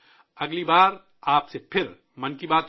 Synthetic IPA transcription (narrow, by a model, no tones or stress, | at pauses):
ɐɡlibaːɾ | aːpsepʰɪɾ | mɐnkibaːt̪